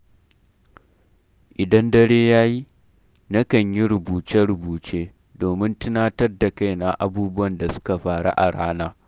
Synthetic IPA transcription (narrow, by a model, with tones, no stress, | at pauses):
ʔɪ˨dɐ˦ndɐ˦ɽeː˦jaː˦ji˦ | nɐ˦kɐ˨ɲji˦ɾʊ˨buː˨t͡ʃɛ˦ɽʊ˨buː˨t͡ʃeː˦ | doː˨mɪ˦ntɪ˦naː˦tɐ˦rda˨ka˦jna˨ʔa̰˨buː˦bʊ˦wɐ˨nda˨sʊ̥˦ka˨ɸaː˨ɽa̰˦ʔa˨ɽaː˦naː˦